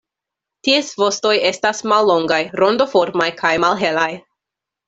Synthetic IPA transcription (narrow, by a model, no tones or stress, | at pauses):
tiesvo̞sto̞je̞stasmalːo̞ŋɡajɾo̞ndo̞fo̞ɾmajkʰajmalɦe̞laj